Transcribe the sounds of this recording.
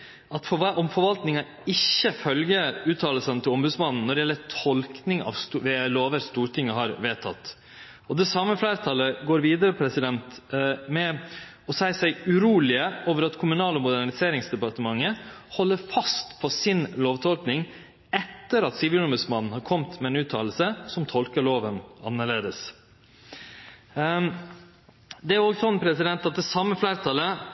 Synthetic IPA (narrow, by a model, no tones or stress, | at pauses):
ɑt̪fɔʔɔmfɔɾʋɑlt̪nɪŋɑ | ɪçːəfœlɡəʉːt̪ʰːɑːləsənt̪ʰɪlɔmbʉd̪smɑnn̩ːɔɖɪjɛlːətʰɔlknɪŋɑ̰ʋst̪ʋeːloːʋəɾst̪uːʈʰɪŋːəɦɑɾʋeːt̪ʰɑ̰t̪ː | ɔd̪ɛsɑmːəflæːɾət̪ʰɑlːəɡoːɾʋiːd̪əɾəpʰɾɛsɪd̪ɛnt̪mɛ | ɔsæɪsæɪʉɾuːlɪəoːʋəɾɑt̪kʰʊmʉnɑːlɔmʊd̪æɳɪseːɾɪŋsd̪ɛpɑɾt̪əmɑŋːəhɔlːəɾfɑst̪pʰɔsɪnloːʋt̪ʰɔlknɪŋ | ɛt̪ːəɾɑt̪sɪʋɪlɔmbʉsmɑnːn̩hɑɾkʰɔmt̪mɛɛnʉːt̪ʰːɑ̰ːl̩səsɔmt̪ʰɔlkəɭoːʋənɑnːəɭeːd̪əs | d̪ɛæɾɔɡsɔnpʰɾɛsɪd̪ɛnt̪ɑt̪̚d̪ɛsɑmːəflæːɾt̪ʰɑlːə